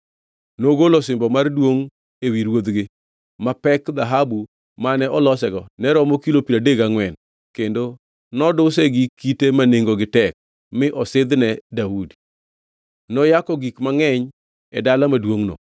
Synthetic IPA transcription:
noɡolɔsɪmbɔmardwoŋ | ewiɾwod̪ɡɪ | mapɛkd̪aɦabu | manɛʔɔlɔsɛɡɔnɛɾɔmɔkilopiɾadeɡaŋwɛn | kendo | nɔdʊsɛɡikːitemaneŋɡoɡɪtɛk̚ | mɪʔɔsɪd̪nɛdaudi | nɔjakɔɡikmaŋɛɲ | ɛ̰dalamadwoŋnɔ̰

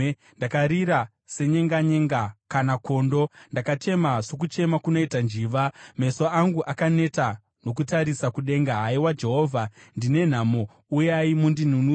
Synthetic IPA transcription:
ndakaɾiɾa | se̞ɲe̞ŋɡaɲe̞ŋɡakanako̞ːndo̞ndakat͡ʃe̞maʐo̞k̬ut͡ʃe̞makuno̞itand͡ʒiːʋame̞so̞aŋɡuʔakane̞ta | no̞k̬utaɾisakuɗe̞ŋɡaɦaiwad͡ʒe̞ɦo̞ːvʱandine̞n̤amo | ujaimundinunu

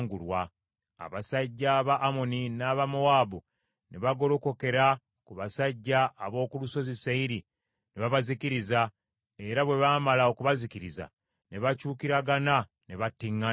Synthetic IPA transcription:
ŋɡulwa | a̰βasaɟːaβaʔːmo̞ninaβamowaːbu | nʔe̞βaɡo̞lo̞ko̞ke̞ɾa | kuβasaɟːaːβo̞ːkuluso̞zisaiɾi | neβaβazikiɾiza | e̞ɾaβwe̞βaːmalaokuβazikiɾiza̰ | ne̞βacuːkiɾaɡana | ne̞βatːiŋːa

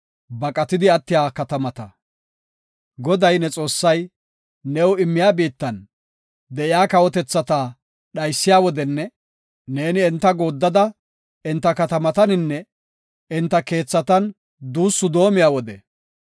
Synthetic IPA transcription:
bɐkʼɐt̪ɪd̪ɪɐt̪ːɪjaːkɐt̪ɐmɐt̪ɐ | ɡɔd̪ɐjnɛt͡sʼo̞ːsːɐjː | ɛwʊɪmːɪjaːbiːt̪ːɐn | d̪ɛɪjaːkɐwɔt̪ɛt͡sːɐt̪aː | ɗɐjsːɪjaːwɔd̪ɛnːɛː | e̞ːnɪɛnt̪ːɐɡo̞ːd̪ːɐd̪ɐ | ɪnt̪ːɐkɐt̪ɐmɐt̪ɐnɪnːɛ | ɪnt̪ːɐke̞ːt͡sːɐt̪ɐn | d̪uːsːʊd̪o̞ːmɪjaːwɔd̪ɛ

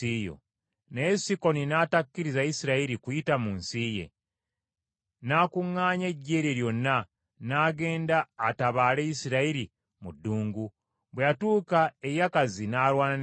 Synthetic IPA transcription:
ijo̰ | nesiko̞ninaːtakːiɾizajisiɾaiɾikujitamunsiːje̞̰ | naːkuŋːaːɲe̞ɟːe̞ːɾjeɾjo̞nːa | naːɡe̞ːndaːtaβaːle̞isiɾaiɾi | mudːuːŋɡu | βwejatuːkae̞jakazinaːlwaːnan

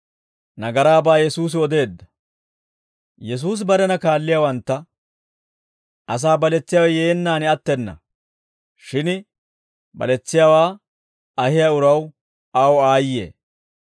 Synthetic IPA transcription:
nɐɡɐɾaːbaːjɛsuːs̬ɪɔd̪e̞ːd̪ːɐ | jɛs̬uːs̬bɐɾɛnɐkaːlːɪjawɐnt̪ːɐ | ʔɐs̬aːbɐlɛt͡sːɪjawɐjeːnːaːnɪɐt̪ːɛnːɐ̰ | ʃɪn | bɐ̰lɛt͡sːɪjawaː | ɐhɪjaʊɾɐw | ɐwaːjːḛː

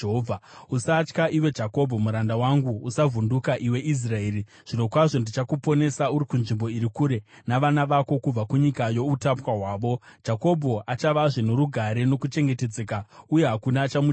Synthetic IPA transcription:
oausat͡ʃkaʔiwe̞d͡ʒako̞bʱo̞muɾandawaŋɡuusavʱundukaʔiwe̞ʔis̬rae̞ːɾi | ʐ̥ino̞kwaʐo̞ndit͡ʃakupo̞ne̞sauɾikunʐimbo̞iɾikuːɾe̞ | naʋanaʋako̞kub͡vakuɲikajo̞utapwaɦwaːʋo̞̥d͡ʒako̞bʱo̞ʔat͡ʃaʋaʐenoɾuɡʱaɾe̞no̞kut͡ʃe̞ŋɡe̞te̞d͡zekauje̞ɦakunat͡ʃamu

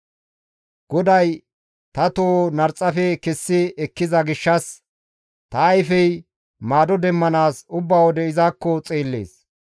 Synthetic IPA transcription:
ɡ̥ɔd̪ɐj | t̪ɐt̪oːnɐɾt͡sʼːɐfɛkɛsːɪɛkːɪzɐɡɪʃːɐs | t̪ɐːjfɛj | maːd̪ɔd̪ɛmːɐnaːsʊbːaːwɔd̪ɛɪzaːkːɔt͡sʼeːlːḛːs

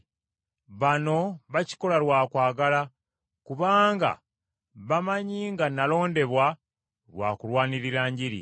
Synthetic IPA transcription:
βano̞βaci̥ko̞lalwaːkwaːɡala | kuβaːŋɡa̰ | βamaɲiːŋɡanalo̞ːnde̞βwa | lwa̰ːkulwaːniɾiɾaːɲɟiɾḭ

